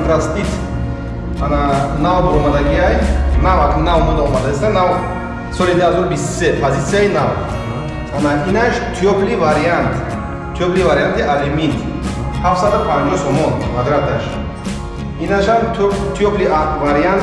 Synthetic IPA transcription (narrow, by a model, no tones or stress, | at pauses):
t̪ɾast̪it̪ | ananavd̪ɔɾɔmad̪aɡiajnavakʰunːavmud̪aɔmad̪ast̪anaw | sɔlid̪uhazɔɾubist̪u̥sepʰazit̪sʰijainaw | anainaʃt̪ʰijɔpʰlivaɾiant̪ | t̪ʰjɔplivaɾijant̪ʰiʔalimint̪ | hafsad̪upʰãnd͡ʒɔhsɔmɔnmad̪ɾat̪ʰaʃ | inaʃamt̪ʰjɔpliavaɾiant̪